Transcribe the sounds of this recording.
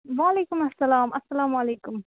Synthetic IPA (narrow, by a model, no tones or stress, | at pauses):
ʋaːleːkʊmɐsːɐlaːmʔɐsːɐlaːmaleːkʊm